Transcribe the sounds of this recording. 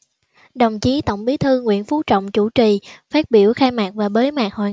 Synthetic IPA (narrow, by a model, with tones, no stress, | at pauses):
ɗə˨˩wŋ͡mt͡ɕi˨˦t̪ə̰˧˨wŋ͡mɓi˨˦t̪ʰɨ˧ŋwḭ˧˨ənfu˨˦t͡ɕɔ̰˧˨wŋ͡mt͡ɕu˧˩t͡ɕi˨˩faː˦˥t̚ɓi˧˩əwxaː˧jmaː˨˩k̚vaː˨˩ɓəː˨˦jmaː˨˩k̚hwa̰ː˨˩